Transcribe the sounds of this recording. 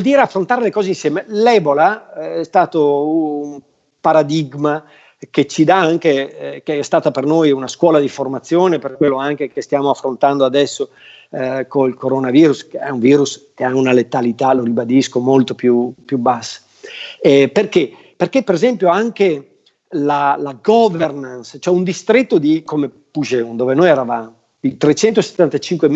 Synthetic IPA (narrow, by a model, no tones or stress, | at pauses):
ɔld̪iːɾeafːɾont̪aːɾelekɔːzeinsjɛːmelɛbolaɛst̪aːt̪oum | paɾad̪iɡma | ket͡ʃid̪aaŋkekeɛst̪aːt̪apernojunaskwɔːlad̪iformat̪sːjoːneperkwelːoaŋkekest̪jaːmoafːɾont̪and̪oad̪ɛsːo | koilkoɾonaviːɾuskeɛuɱviːɾuskeaunalet̪alit̪aloɾibad̪iskomolt̪opjupjubasːḁ | ɛperke | perkepːeɾezɛmpjoaŋke | lalaɡɔvernanst͡ʃoɛund̪ist̪ɾet̪ːod̪ikome | pud͡ʒeund̪oːvenojɛɾavaːmo | d̪it̪ɾet͡ʃɛnt̪ose̥t̪ːant̪at͡ʃiŋkwem